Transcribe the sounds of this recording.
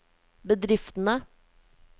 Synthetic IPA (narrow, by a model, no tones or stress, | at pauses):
bəd̪ɾɪft̪n̩ə